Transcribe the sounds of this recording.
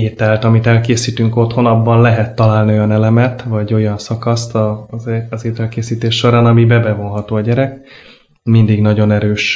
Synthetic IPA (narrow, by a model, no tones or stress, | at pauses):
eːt̪ɛlt̪ɒmit̪ɛlkeːsiːt̪yŋko̞t̪ho̞nɒbːɒnlɛɦɛt̪ːɒlaːlnio̞jɒnɛlɛmɛt̪vɒɟo̞jɒnsɒkɒst̪ɒ | zeːt̪ɛlkeːsiːt̪eːʃʃo̞ɾaːnɒmibɛbɛvo̞nɦɒt̪oːɒɟɛɾɛk | mind̪iɡnɒɟo̞nɛɾøːʃ